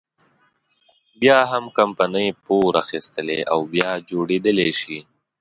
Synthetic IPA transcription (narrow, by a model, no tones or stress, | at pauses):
bjɑɦamkampanəjpoɾaxist̪əlea̰wbjɑd͡ʒoɽed̪əleʃi